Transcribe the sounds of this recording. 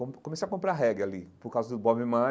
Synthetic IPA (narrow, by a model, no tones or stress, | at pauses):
õpkomesakõmpɾaɦɛɡalipoɾkawzɐd̪ʊbɔbĩmã